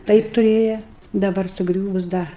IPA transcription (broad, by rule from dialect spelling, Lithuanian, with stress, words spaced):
ˈtɐɪp tʊˈrʲeːjɛ dɐˈbɐr sʊˈɡrʲuːʋʊs ˈdɐ